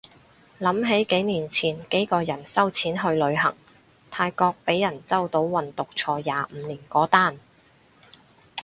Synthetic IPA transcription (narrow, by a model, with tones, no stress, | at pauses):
lɐ˨˥mɦe˨˥jke˨˥jniː˨˩nt͡sʰiː˨˩nke˨˥jkɔː˧jɐ˨˩nsɐ˥wt͡sʰiː˨˥nɦɵ˧ɥlɵ˨˧ɥɦɐ̰˨˩ŋ | t̪ʰaː˧jkɔː˧k̚pe˨˥jːɐ˨˩nt͡sɐ˥wt̪o˨˥wwɐ˨nt̪ʊ˨k̚t͡sʰɔː˧jaː˨m̩˨˧niː˨˩nkɔː˨˥t̪aː˥˩n